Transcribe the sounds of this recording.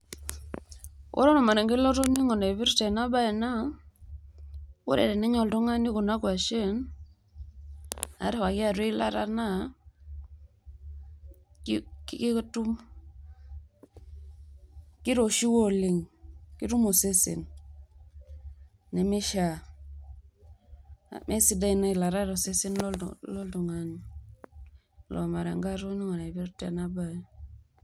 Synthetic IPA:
wʔɔ̰˦ɾɔ˦nɔ˨ma˨ne˨ŋɡi˦lɔ˦ɾo˦ni˦ŋo˨ne˨βi˦ɾte˨na˦ba˦ɛ˨na˦ | wo̰˦ɾɛ̰˨ɾɛ˨ni˦ɲɔ˨ldɔ˦ŋa˦ni˦ku˨na˦kwa˨ʃe˦n | a̰˨˦ɾwa˨kɪ˦a˨ɾe˦la̰˦ɾa̰˦na˦ | kki˦ktu˦m | ki˦ɾo˨ʃi˦wo˦li˨ŋki˦ɾu˦mo˨se˦sḛ˨n | e˨mi˦ʃa˨ | mʔe˦si˦da˦i˨na˦i˨la˨ɾa˦ɾo˨se˦si˦nl̰lo˦ldu˨ŋa˨n˨ | lʔo̰˨ma˨ɾa˨ŋɡa˦ɾu˦ni˦ŋa˨na˨i˨bi˦ɾtḛ˨na˦ba˨j

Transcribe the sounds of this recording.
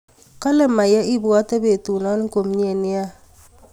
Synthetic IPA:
kɔ˦lɛ˦˨ma˨jɛ˦ʔi˦bwɔ˦tɛ˦be˨tu˨nɔ˦n˦ko˨m˦ɲ˦e˨nɪ˦a˦

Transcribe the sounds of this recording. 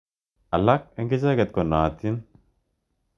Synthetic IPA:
ʔɐ˨lːa˦kɛ˦ŋɡɛ˦d͡ʒa˦ɡɐ˨t̪̚kɔ˨nːa˨t̪ːi˦n

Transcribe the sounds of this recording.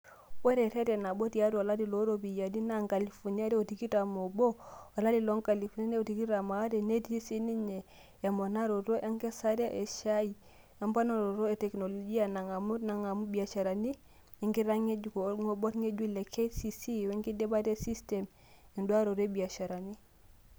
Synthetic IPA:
we˦ɾe˨ɾe˦te˨na˨bo˦tja˦ɾo˨a˨la˦di˨lo˦ɾo˦bi˨ja˨di˦na˦ŋka˨li˨fo˨ni˦a˦de˦o˨ti˨ki˦ta˨mo˨bo˦a˨la˦di˨lo˦ŋka˨li˨fu˨na˦ne˦o˨ti˨ki˦ɾa˨ma˨˦de˨ne˦ti˦si˦ni˦ɲe˨ | a˨mo˨na˦ɾo˨ɾo˦ʔa˦ŋke˦sa˦ɾi˦a˦ʔe˨ʃa˦i˨ | a˦mpa˦no˨ɾo˨ɾo˦e˨te˨kno˨lo˨d͡ʒi˦a˨na˨ŋa˨mu˦na˨ŋa˨mu˦bi˨a˨ʃa˨ɾa˨ni˦ | i˨˦ŋki˦ɾa˦ŋe˦d͡ʒu˨koŋo˨bo˦tŋe˦d͡ʒu˦le˨kʰe˦si˦si˦˨we˦ŋki˦de˦ba˦te˦si˦ste˨m | i˨ndu˦a˦ɾo˨ɾe˦bi˨a˨ʃa˨ɾa˨ni˦

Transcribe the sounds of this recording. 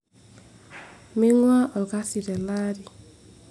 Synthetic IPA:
mi˦ŋwa˦ʔɔ˨ka˦si˨ɾɛ˨la˦ɾi˨

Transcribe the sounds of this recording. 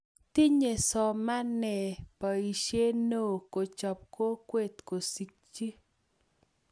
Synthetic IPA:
ti˦ɲe˨sɔ˨ma˦nɛ˨pa˨i˨ʃje˦no˦˨ko˨t͡ʃɔ˨p̚ko˦kwe˦˨t̪ko˨si˦k̚t͡ʃi˦

